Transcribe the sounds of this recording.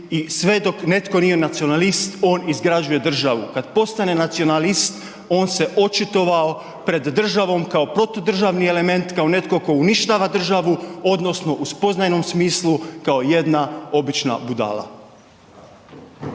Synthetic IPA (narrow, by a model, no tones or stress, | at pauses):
isʋe̞d̪o̞kne̞t̪ko̞nije̞nat̪sio̞nalist̪o̞ːnizɡɾad͡ʑuje̞d̪r̩ʒaʋukad̪po̞st̪ane̞nat̪sio̞nalist̪ | o̞ːnse̞ʔo̞t͡ʃit̪o̞ʋao | pɾe̞d̪ːr̩ʒaʋo̞mkao̞pɾo̞t̪o̞d̪r̩ʒaʋnie̞le̞me̞nt̪kaone̞t̪ko̞ko̞uniʃt̪aːʋad̪r̩ʒaʋuo̞d̪no̞sno̞ʔuspo̞znajno̞msmiːslˠukao̞je̞d̪nao̞bit͡ʃna̰bud̪a̰ːlˠa̰